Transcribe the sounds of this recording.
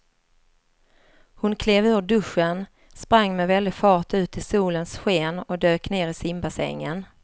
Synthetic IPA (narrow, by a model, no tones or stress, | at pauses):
hʊnkʰleːvø̟ːvəɖɵʂːən | spɾaŋːmɛvɛld̪ɪɡfɑːʈʉ̟ːt̪ʰɪsuːlənsɧeːnɔd̪øːkneːɾɪsɪmbasɛ̰ŋːən